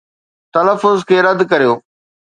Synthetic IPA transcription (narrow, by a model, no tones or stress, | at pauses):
t̪ɐləfːʊzkʰeːɾɐd̪kɐɾijoː